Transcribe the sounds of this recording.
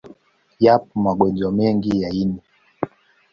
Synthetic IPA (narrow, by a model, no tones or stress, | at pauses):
jap̚ɔmaɡwɛnd͡ʒɔmɛŋɡijaini